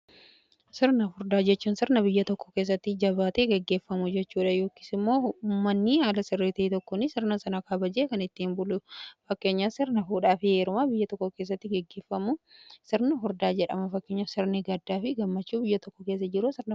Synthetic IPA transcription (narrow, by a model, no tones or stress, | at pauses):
sɪɾnɐfʊɾd̪aːd͡ʒɛt͡ʃːuːnsɪɾnɐbɪjːɐt̪ɔkːɔ̥ke̞ːs̬ːɐt̪ːɪd͡ʒɐβaːt̪eːɡɛɡːe̞ːfːɐmʊd͡ʒɛt͡ʃːuːᶑɐjoːki̥ːsɪmːo̞ːʊmːɐnːɪhalɐsɪrːeːt̪ɐiːt̪ɔkːonɪsɪɾnɐsɐnakʰɐbɐd͡ʒeːkɐnɪt̪ːɪmbʊlʊfɐkːe̞ːɲːaːsɪɾnɐfuːᶑaːfɪheːɾʊmabɪjːɐt̪ɔkːɔke̞ːs̬ːɐt̪ːɪɡɛɡːeːfːɐmʊsɪɾnɐfʊɾd̪aːd͡ʒɛᶑɐ̰mɐfɐkːeːɲːasɪɾnɪɡɐd̪ːaːfɪɡɐmːɐt͡ʃːuːbɪjːɐt̪ɔkːɔkeːs̬ːɐd͡ʒɪɾusɪɾnɐ